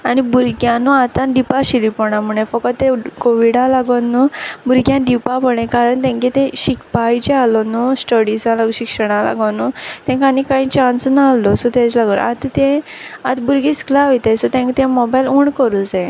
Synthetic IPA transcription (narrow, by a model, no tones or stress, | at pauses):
anibuɾɡjãnuat̪ãd̪ipaɕilipɔɽ̃am̤uɽ̃ẽfəkət̪ːekoʋiɽalaɡɔnːubuɾɡjãd̪ipapəɽ̃ẽkaɾəɳt̪ɛ̃ŋket̪ẽɕikpajt͡ɕealɔnusʈəɽisãlaɡɕikʂəɽ̃ãla̰ɡənut̪ɛ̃ŋkanikãɦĩt͡ɕãnsnaːlɔsɔt̪ẽt͡slaɡona̰t̪t̪ẽat̪buɾɡisklaʋit̪esɔt̪ɛ̃ŋkt̪ẽmɔbajluɳkəɾut͡sẽ